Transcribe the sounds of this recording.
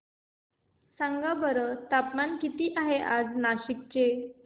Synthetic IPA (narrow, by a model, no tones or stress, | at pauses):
sãŋɡabəɾət̪apmankit̪iːʔaɦeʔad͡znaɕik̚t͡ɕe